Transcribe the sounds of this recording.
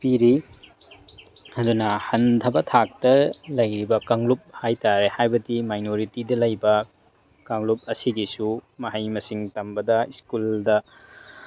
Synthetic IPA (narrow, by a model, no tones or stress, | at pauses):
piɾi | ɐdunɐhɐndʰɐbɐtʰak̚tɐlɐjɾibɐkaŋlup̚hajtaɾehajbɐdimajnoɾitidɐlɐjbɐ | kaŋlup̚ɐsiɡisumɐɦɐjmɐsiŋtɐmbɐdɐiskuldɐ